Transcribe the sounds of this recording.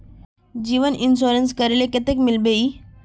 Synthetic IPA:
d͡ʑiːʋənʔɪns̬oːɾəns̬kəɾelekɪt̪ekmɪlbeiː

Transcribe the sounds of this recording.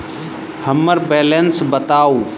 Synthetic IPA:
həmːəɾbɛːlensbət̪aːo

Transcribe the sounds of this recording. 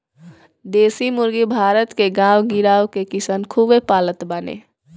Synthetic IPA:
d̪eːsimʊɾɡibʱaːɾət̪keɡãːwɡɪɾaːwkekɪsənkʰuːbepaːlət̪banḛː

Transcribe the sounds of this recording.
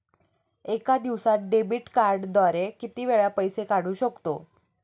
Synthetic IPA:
ekad̪iʋsat̪̚ɖebiʈkaɾɖd̪ʋaɾekit̪iːʋeɭjapəjsekaɽ̤uːɕəkt̪o

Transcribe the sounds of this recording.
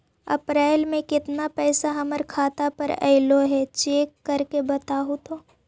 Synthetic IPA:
ɐ̰pɾaːɪlmẽkɪt̪napɛːsaɦɐməɾkʰaːt̪apɐɾɐ̰ɪloɦɛt͡ʃeːkːɐɾkebɐt̪aːɦot̪oː

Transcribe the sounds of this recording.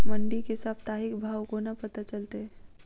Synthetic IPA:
mɐɳɖikesɐb̚t̪aːɦɪkbʱaːwkonɐpɐt̪at͡ʃɐlt̪eɦɛː

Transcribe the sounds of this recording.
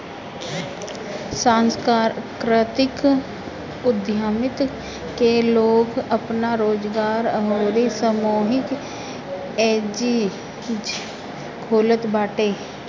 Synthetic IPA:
sãːnskakɾət̪ɪk | ʊd̪ʱjaːmɪt̪ | keloːɡəpnaɾoːd͡ʒɡaːɾɦoːɾisəmoːɦɪk | eːd͡ʒi | d͡ʒ | kʰoːlət̪baːʈeː

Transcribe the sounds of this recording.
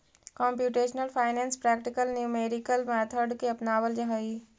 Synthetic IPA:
kɔ̃ːmpjuːʈeːʃnəlpʰaːɪnɛ̃ːnspɾɛːkʈɪkəlnjuːmeːɾɪkəlmɛːt̪ʰəɖkeɐpnaːʋəld͡ʒɐɦaiː

